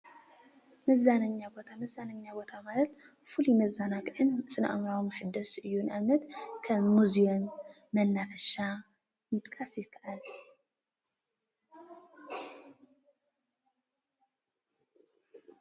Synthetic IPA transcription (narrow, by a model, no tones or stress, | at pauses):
mɐzanɐɲːabo̞t̪ʰamɐzanaɲːabo̞t̪ʰamalɐt̪ | fulumɐzanakʼʔɨnsɨna̰ʔmɾawmħɨd̪ːɐsʔɨjːunʔaβnɐt̪kʰɐːuzijomː | ɐnːafɐʃa | mɨt̪ʼkʼasjɪkʰːaʔal